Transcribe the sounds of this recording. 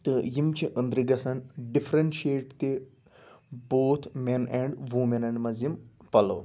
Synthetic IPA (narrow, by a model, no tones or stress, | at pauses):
t̪ɨjimt͡ʃʰiʔə̃nd̪ɾiɡɐsɐnɖifʰɾɐnʃeːʈt̪e | boːt̪ʰmenɛ̃ɳɖʋuːmɐ̃nɐ̃ɳɖmɐzimpɐlo̰ː